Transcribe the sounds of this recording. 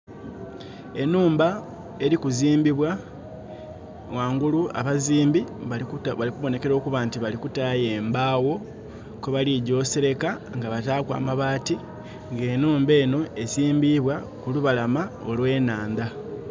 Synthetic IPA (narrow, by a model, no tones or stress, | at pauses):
e̞nuːmba | e̞ɾikuziːmbiβwa | waːŋɡuluʔa̰βaziːmbi | βalikuβo̞ne̞ke̞ɾo̞ːkuβaːntiβalikutaːjeːmbaːwo̞ | koβaliɟo̞ːseɾe̞kaŋɡaβataːkwa̰ːmaβaːti | ŋɡe̞ːnuːmbe̞ːno̞e̞siːmbiβwa | kuluβalamaolwe̞ːnaːnda